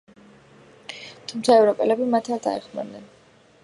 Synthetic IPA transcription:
t̪ʰumt̪sʰaɛvɾɔpʼɛlɛbimat̪ʰat̪ʰa̰ɛχma̰nːɛn

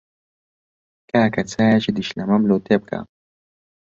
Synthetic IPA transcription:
kaːkɐt͡sʰaːjat͡ʃid̪iʃlɐmɐmloːt̪ʰeb̚ka̰

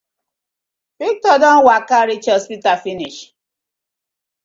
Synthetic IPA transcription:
fik̚tɔdɔnwakaɾit͡ʃɔspitafiniʃ

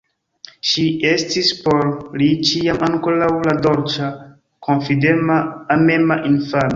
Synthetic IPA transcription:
ʃiestispoɾlit͡ʃiamaŋkoɾawladoɾt͡ʃa | kʰonfidemaːmemaʔinfano

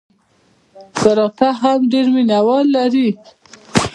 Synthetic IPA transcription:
kaɾɑt̪aɦamɖeɾminawɑlːaɾi

